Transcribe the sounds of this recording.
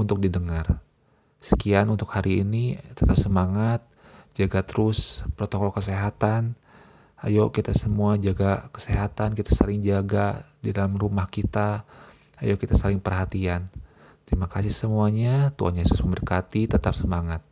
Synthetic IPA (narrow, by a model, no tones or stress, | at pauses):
unt̪ʊk̚didəŋar | sə̥kianunt̪ʊkhaɾiːnit̪ət̪ap̚səmaŋat̪̚ | d͡ʒaɡat̪əɾʊspɾot̪okɔlkəseɦat̪an | a̰jokit̪asəmuad͡ʒaɡakə̥seɦat̪ankit̪ḁsalɪŋd͡ʒaɡadidalamrumahkit̪a | a̰jokit̪asalɪŋpərɦat̪ian | t̪ɾimakasɪhsəmuaɲat̪ua̰nɲaasʊsməmbərkat̪it̪ət̪ap̚səmaŋat̪̚